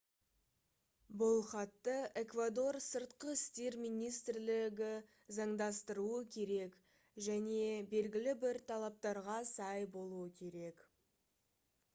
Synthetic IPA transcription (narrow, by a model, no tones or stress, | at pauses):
bʊlˠχɑt̪ːəe̞kvad̪o̞rsəɾt̪qəɪst̪e̞ɾmijnijst̪rlɪɡʲɪ | zɑɴd̪ɑst̪əɾuəkʲʰe̞ɾe̞k | ʒæne̞be̞lɡʲɪlɪbɪɾt̪ʰɑlˠɑp̚t̪ɑɾʁɑsɑjbo̞lˠuəkʲʰe̞ɾe̞k